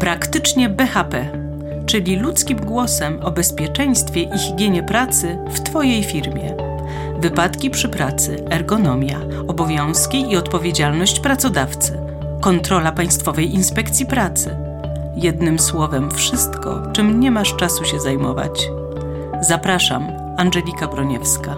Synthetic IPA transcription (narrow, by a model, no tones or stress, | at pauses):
pɾakt̪ɘt͡ʂɲɛbɛxapɛ | t͡ʂɘlʲilut̪skʲimɡwɔsɛmɔbɛspʲjɛt͡ʂɛj̃st̪fʲjɛʔixiɡʲjɛɲɛpɾat̪sɘ | ft̪fɔjejfʲiɾmʲjɛ̰ | vɘpat̪kʲipʂɘpɾat̪sɘ | ɛɾɡɔnɔmʲja̰ | ɔbɔvʲjɔ̃w̃skʲiiɔt̪pɔvʲjed͡ʑalnɔɕt͡ɕpɾat̪sɔd̪aft̪sɘ | kɔnt̪ɾɔlapaj̃st̪fɔvɛjinspɛkt̪sʲjipɾat̪sɘ | jɛd̪nɘmswɔvɛmfʂɘst̪kɔ̰t͡ʂɘmɲɛmaʂt͡ʂasuɕɛzajmɔva̰t͡ɕ | zapɾaʂa̰m | anʐɛlʲikabɾɔɲɛfska